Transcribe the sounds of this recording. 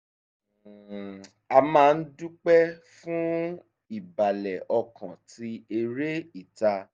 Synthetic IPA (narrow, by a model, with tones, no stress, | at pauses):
a˧mãː˦˧n̩˦dũ˦k͡pɛ˦ | fũ˦ | i˦˨ba˨lɛ˨ʔɔ˧kã˨tʰi˧˦e˧ɾe˦i˦˨ta˧